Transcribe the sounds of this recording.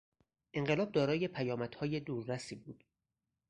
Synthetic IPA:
ʔe̞ŋɢelɒːb̚d̪ɒːɾɒːje̞pʰæjɒːmæd̪̥hɒːje̞d̪uːɾːæsiːbuːd̪̥

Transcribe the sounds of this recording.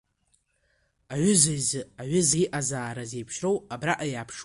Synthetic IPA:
aʕʷʏzajzɨaʕʷʏziʔazaːɾaze̞jpʰʃrowabraʔajaːpʰʂ

